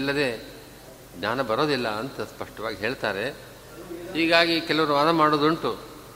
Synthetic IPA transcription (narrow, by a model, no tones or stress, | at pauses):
lːɐd̪e̞ː | d͡ʒaːnɐbɐɾo̞ːd̪ilːɐɐnt̪ɐspɐʂʈɐʋaːɡiɦe̞ːɭt̪aːɾe̞ | hiːɡaːɡikɛlɐʋɐɾuʋaːd̪ɐmaːɽoːd̪uɐɳʈu